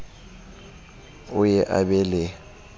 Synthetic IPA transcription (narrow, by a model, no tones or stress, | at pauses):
ʊjɛʔa̰ɓɛlɛ